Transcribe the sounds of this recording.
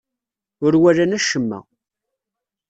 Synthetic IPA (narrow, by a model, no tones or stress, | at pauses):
ʊɾwælænæʃəmːæ̰